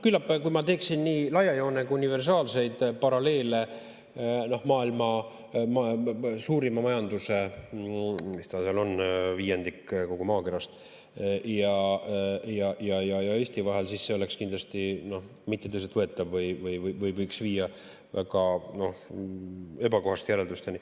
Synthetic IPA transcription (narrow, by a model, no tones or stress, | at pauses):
kylːɑpːkujmɑt̪e̞ːksinːiːlɑjɑjo̞ːnekuunive̞rs̬ɑːlse̞jd̪̥pɑɾɑle̞ːle̞ | no̞hmɑːilmɑ | mɑsuːɾimɑmɑjɑnd̪use̞ | mist̪ɑseɑlo̞nːviːjend̪ikːko̞ɡumɑːke̞ɾɑst̪ | jɑ | jɑjɑjɑjɑeːsʲt̪ivɑɦe̞lsisːe̞o̞le̞kskind̪lɑst̪ino̞h | mit̪ːet̪ɤjset̪vɤe̞t̪ːˑɑvvɤjvɤjvɤjvɤjvɤjksviːjɑ | væ̰ɡɑno̞h | e̞bɑko̞ɦɑst̪jæɾe̞ld̪ust̪eni